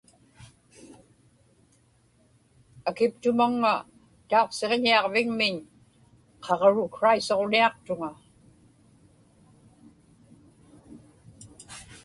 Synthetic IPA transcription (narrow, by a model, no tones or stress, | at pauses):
akɪpt̪ʊmaŋːa | t̪ao̞qse̞ʁɲiɑʁvɪŋmɪɲ | qʰɑʁɻʊkɹaiso̞ʁniɑq̚t̪ʊŋa